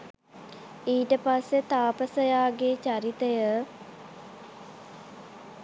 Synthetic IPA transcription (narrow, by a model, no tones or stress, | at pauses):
iːʈəpasːet̪aːpəsəjaːɡet͡ɕaɾit̪əjə